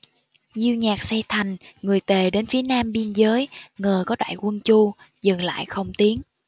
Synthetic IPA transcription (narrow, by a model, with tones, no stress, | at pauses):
zi˧wɲaː˨˩k̚sɛ˧t̪ʰa˨˩jŋ̟ŋɨ˨˩əjt̪e˨˩ɗe˨˦nfi˨˦ənaː˧mɓi˧ənzəː˨˦jŋəː˨˩kɔ˨˦ɗa̰ː˧˨jkwə˧nt͡ɕu˧zɨ˨˩ŋla̰ː˧˨jxə˧wŋ͡mt̪i˨˦ən